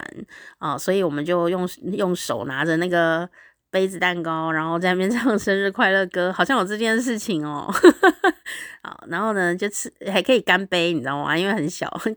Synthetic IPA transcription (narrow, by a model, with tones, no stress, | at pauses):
nɔ˩swɔ˧˥i˨˩wɔ˨˩mə˦t͡ɕjo˥˧ʊjʊ˥˩ŋjʊ˥˩ŋʂo˨˩ʊna˧˥d͡ʒə˧na˥˩ɡə˩ | pe˥ɪd͡zɹ̩˨˩t̪a˥˩nkɑ˥ʊɻa˧˥nxo˥˧t͡sa˥˧n˨˩mjnʈ͡ʂɑ˥˩ŋʂə˥nɻɻ̩˥˧kʰwa˥˧ɪlɤ˥˩kɤ˥xɑ˨˩ɕjɑ˥˩ŋjo˨˩t͡sʈ͡ʂɤ˥˧t͡ɕjɛ˥˧nʂ̬ɻ̩˥˩t͡ɕʰi˨˩ŋɔ̰˨˦ | ɔ̰˨˩na˧˥nxo˥˩ʊnə˩t͡ɕjo˥˧ʊt͡s̩ʰ˥˩xa˧˥ɪkʰɤ˧˥i˨˩ka˥npe˥ɪni˨˩d̪ə˦xwa̰˥˩i˥nwe˥˩ɪxə˨˦nɕjɑ̰˨˩ʊ